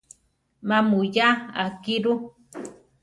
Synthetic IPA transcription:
mamujaakiɾu

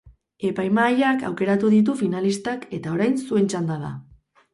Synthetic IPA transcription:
e̞pajmaːjaka̰wke̞ɾat̪uðit̪̬ufinalist̪ake̞t̪ao̞ɾajnsue̞nt͡ʃand̪aða̰

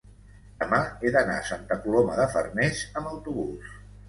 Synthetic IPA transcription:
d̪əmaeðəna̰sant̪əkuloməðəfə̰rnezəməwt̪uβ̞us

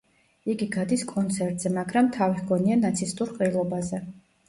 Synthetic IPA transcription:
iɡiɡad̪iskʼɔnt̪sʰɛɾt̪ʼz̥ɛmaɡɾamt̪ʰaviɡɔnianat̪sʰist̪ʼuɾqʼilˠɔbazɛ

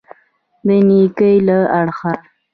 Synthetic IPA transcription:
d̪ənikəjlaaɽxa

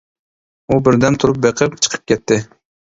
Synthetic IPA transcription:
ubɪɾd̪ɛmt̪ʰuɾup̚beqʰəpt͡ʃʰə̥qʰə̥p̚kʲɛt̪ːɪ

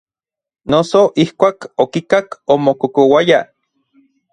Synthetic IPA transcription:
nosoʔihkʷaːkokikakomokokowaja

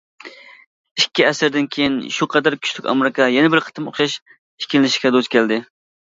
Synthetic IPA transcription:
ikʲːiɛsɪɾd̪ɪnkʲʰejinʃuqʰɑd̪æɾkʲʰy̥ʃt̪ʰykʲɑ̰meɾɪkʰɑjɛnɛbɪɾqʰə̥t̪ʰɨmo̰χʃɑʃʰ | kʲʰilɪnɪʃɪ̥kʲɛd̪ozkʲʰɛld̪ɪ

